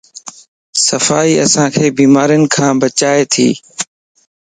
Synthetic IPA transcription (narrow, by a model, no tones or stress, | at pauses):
səfaːiːəsãːkʰeːbiːmaːɾijnɪ̆kʰãːbət͡ʃaːet̪ʰḭː